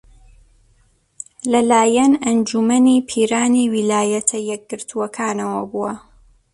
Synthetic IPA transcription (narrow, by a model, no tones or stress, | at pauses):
lɐlaːjɐnɐnd͡ʒumɐniːpʰiːɾaːniwilaːjɐt̪ʰɐjɛk̚ɡɨɾt̪ʰuwɐkʰaːnɐwɐbuɐ